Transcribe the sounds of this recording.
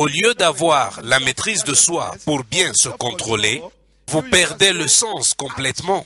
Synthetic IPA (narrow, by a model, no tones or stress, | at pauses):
oljød̪avwaʁlamet̪χizd̪əswa̰puʁbjɛ̃səkɔ̃t̪χole | vupɛʁd̪eləsɑ̃skɔ̃plɛt̪mɑ̃